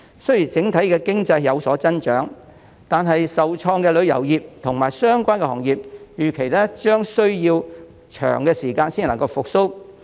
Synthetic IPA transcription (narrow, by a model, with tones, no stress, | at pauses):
sɵ˥ɥjiː˨˩t͡sɪ˨˥ŋt̪ʰɐ˨˥jkɛː˧kɪ˥ŋt͡sɐ˧jjɐ˨˧wsɔː˨˥t͡sɐ˥nt͡ʃœ̰ː˨˥ŋ | t̪aː˨nɦɐ˨jsɐ˨wt͡ʃʰɔː˧ŋkɛː˧lɵ˨˧ɥjɐ̰˨˩wjiː˨p̚t̪ʰʊ˨˩ŋmaː˨˩jsœː˥ŋkʷaː˥nkɛ˧hɔ̰ː˨˩ŋjiː˨p̚jyː˨kʰe˨jlɛː˥t͡ʃœː˥ŋsɵ˥ɥjiː˧w | t͡ʃʰœ̰ː˨˩ŋkɛː˧siː˨˩kaː˧nsiː˥n˨lɐ˨˩ŋkɐ˧wfʊ˨k̚so˥w